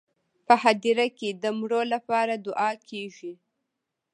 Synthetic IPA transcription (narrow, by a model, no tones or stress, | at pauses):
pəhad̪iɾaked̪əmɽolapɑɾad̪ʊʔɑkʰeʒi